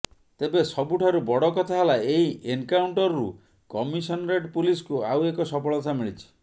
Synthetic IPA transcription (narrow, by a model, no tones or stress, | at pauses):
t̪ebesɔbuʈʰaɾubɔɽɔkɔt̪ʰaɦelaeiʔeŋkawɳʈɔɾɔɾṵ | kɔmisɔnɾeʈpuliskuawekɔsɔpɔɭɔt̪ʰamiɭit͡ʃʰi̥